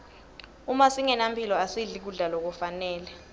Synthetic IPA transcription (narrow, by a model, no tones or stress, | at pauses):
umasiŋɛnampʰilɔasiɮik̬uɮalok̬ufanɛːlɛ